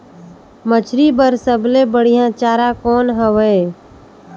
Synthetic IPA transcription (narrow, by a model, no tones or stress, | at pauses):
mət͡ʃʰɾibəɾsəblebəɽ̤ijãt͡ʃaːɾakɔːnɦəʋə